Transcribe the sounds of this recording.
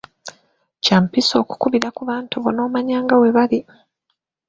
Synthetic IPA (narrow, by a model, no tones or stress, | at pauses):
caːmpiso̞ːku̥kuβiɾakuβaːntuβono̞ːmaɲaːŋɡaweβali